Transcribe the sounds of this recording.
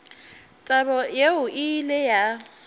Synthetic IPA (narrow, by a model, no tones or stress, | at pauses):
tʼabɔjeʊʔɪleja